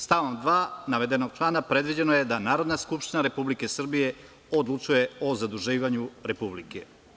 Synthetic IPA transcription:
st̪aʋomd̪ʋaːnaʋe̞d̪eno̞ɡ̚t͡ʃlˠaːnapɾe̞d̪ʋid͡ʑe̞noje̞d̪anaːɾo̞d̪naskupʃt̪inaɾe̞publikesr̩bije̞ | od̪lˠut͡ʃuje̞o̞zad̪uʒiːʋaɲuɾe̞publike

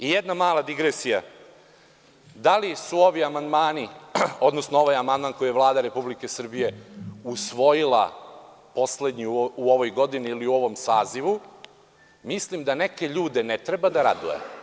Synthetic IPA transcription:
ijed̪namaːlad̪iɡɾesija | d̪alisuo̞ʋiamand̪maːnio̞d̪nosnoo̞ʋajamand̪maːnko̞jijelˠaːd̪aɾe̞publike̞sr̩bije̞usʋo̞jilˠa̰ | po̞sle̞d̪ɲiuoʋojɡo̞d̪iniːliuo̞ʋomsaːziʋu | mislimd̪aneke̞ʎuːd̪e̞net̪ɾebad̪aɾad̪ujḛ

